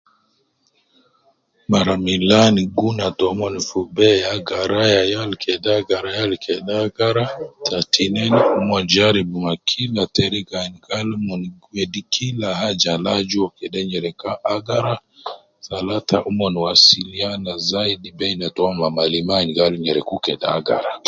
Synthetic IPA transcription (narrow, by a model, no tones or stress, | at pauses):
maɾamilaniɡunatɔmɔnifubɛaɡaɾajajalkʰɛdaɡaɾajalkʰɛɗaɡaɾatʰatʰinɛniumɔnd͡ʒaɾibumakʰilatɛɾiɡaniɡalmɔnɡwɛdikʰilahad͡ʒalad͡ʒuɔkɛɗɛɲɛɾɛkaʔaɡaɾa | zalatʰaʔumɔniwasilianazaidibɛnatɔmamalimaniɡaluɲɛɾɛkukɛda̰ɡa̰ɾa